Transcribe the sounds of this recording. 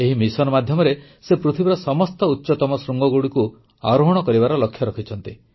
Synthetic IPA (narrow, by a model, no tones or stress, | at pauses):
eɦimisɔnɔmad̪ʱjɔmɔɾesepɾut̪ʰibiɾɔsɔmɔst̪ɔutːʃɔt̪ɔmɔsɾuŋɡɔɡuɽiku | a̰ɾoɦɔɽ̃ɔkɔɾibaɾɔlɔkʰːjɔɾɔkʰit͡ʃʰɔn̪t̪i